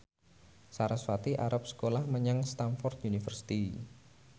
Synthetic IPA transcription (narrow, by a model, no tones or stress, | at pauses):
saɾasfat̪iʔa̰ɾap̚sə̥kolahməɲaŋst̪anfɔrt̪unifərsi̥t̪i